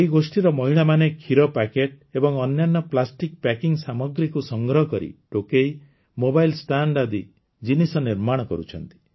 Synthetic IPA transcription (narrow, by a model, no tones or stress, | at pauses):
eiɡosʈiɾɔmɔɦiɭamanekʰiɾɔpakeʈ̚ | ebɔŋɔnjanːɔplasʈik̚pakiŋsamɔɡɾikusɔŋɡɾɔɦɔkɔɾḭʈokej | mobajlsʈaɳɖad̪i | d͡ʒinisɔniɾmaɽ̃ɔkɔ̰ɾṵt͡ʃʰɔnt̪i̥